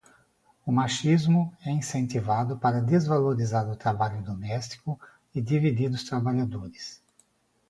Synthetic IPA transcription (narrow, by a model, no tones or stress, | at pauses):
ʊmaʃizmʊɛĩsẽnt̪ivad̪ʊpaɾɐd̪ezvaloɾizaɾʊt̪ɾabaʎʊd̪omɛst̪i̥kʊ | ɪd̪ivid̪iɾʊst̪ɾabaʎad̪oɾɪs